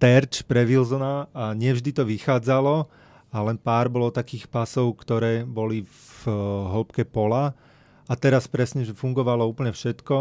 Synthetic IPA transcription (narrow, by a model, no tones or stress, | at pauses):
t̪ɛɾt͡ʃpɾɛʋilzɔnaaɲɪɛvʒd̪it̪ɔʋixaːd͡zalɔ | alɛnpaːɾbɔlɔt̪akiːxpasɔʊkt̪ɔɾɛːbɔli | ɦɔpkɛpɔla | at̪ɛɾaspɾɛsɲɛʒɛfuŋɡɔʋalɔuːpl̩ɲɛfʃɛt̪kɔ